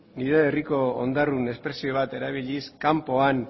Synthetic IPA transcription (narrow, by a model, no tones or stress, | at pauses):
niɾeeriko̞o̰nd̪arune̞spɾe̞sio̞β̞at̪e̞ɾaβ̞iʎiskampo̞an